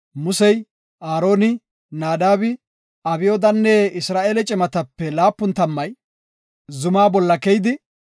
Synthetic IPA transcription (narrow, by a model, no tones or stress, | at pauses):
mʊsɛj | ʔaːɾo̞ːnɪ | naːd̪aːbɪ | ɐbɪjoːd̪ɐnːeɪsɾaːʔeːlɛt͡ʃʼɪmɐt̪ɐpːɛlaːpːʊnt̪ɐmːɐj | zʊmaːbɔlːɐkɛjd̪ɪ